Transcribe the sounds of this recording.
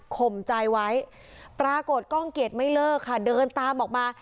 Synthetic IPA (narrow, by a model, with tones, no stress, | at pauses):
kʰo˨˩mt͡ɕa˧jwa˦˥j | pɾaː˧ko˨˩t̪̚kɔ˥˩ŋke˨˩t̪̚ma˥˩jlɤː˥˩kʰːa˥˩dɤː˧nt̪aː˧mʔɔː˨˩k̚maː˧